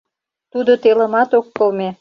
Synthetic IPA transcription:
t̪ud̪ot̪elə̆mɑt̪okːɤlme

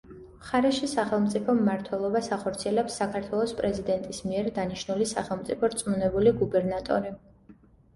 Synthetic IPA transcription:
mχaɾɛʃisaχɛlˠmt̪sʼipʰɔmːaɾt̪ʰwɛlˠɔbasaχɔɾt̪sʰiɛlɛpsːakʰaɾt̪ʰwɛlˠɔspʼɾɛzid̪ɛnt̪ʼismiɛɾd̪aniʃnulisaχɛlˠmt̪sʼipʰɔɾt̪sʼmunɛbuliɡubɛɾnat̪ʼɔ̰ɾi

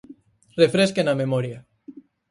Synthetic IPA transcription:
refɾeskenamemɔɾja

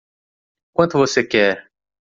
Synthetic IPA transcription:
kwɐ̃nt̪ʊvosekɛɾ

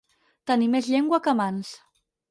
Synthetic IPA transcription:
t̪ənimezʎeŋɡwakəmans

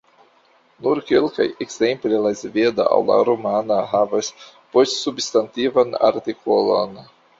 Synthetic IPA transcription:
nuɾkelka̰jekzemplelazved̪a̰ʔa̰wla̰ɾomanaɦavas | postsubst̪ant̪ivana̰ɾt̪ikʰolo̰n

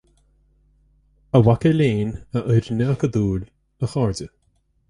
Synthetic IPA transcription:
əwakəleːnəʔəjɾnəakəd̪uːl | əxɑːɹdə

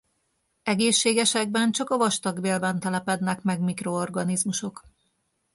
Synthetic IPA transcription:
ɛɡeːʃːeːɡɛʃɛɡ̚bɛnt͡ʃɒkɒvɒʃt̪ɒɡbeːlbɛnt̪ɛlɛpɛd̪nɛkmɛɡmikro̞oːrɡɒnizmuʃo̞k

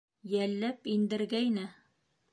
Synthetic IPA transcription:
jælːæpind̪ɘ̆ɾɡæjnɘ

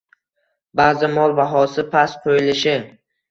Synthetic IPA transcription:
baːzɪmɒlˠvaɦɒsɪpʰasqʰojɪlɪʃɪ

